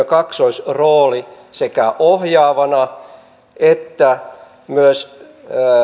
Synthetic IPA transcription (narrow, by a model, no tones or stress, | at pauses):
økɑksoisroːli | sekæʔohjɑːʋɑnɑ | et̪ːæ | myøs